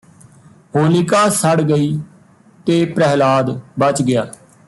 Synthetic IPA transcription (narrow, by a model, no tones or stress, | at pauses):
ɦoːlikaːsəɽɡəiː | t̪eːpɾɛɦlaːd̪bət͡ʃɡɪjaː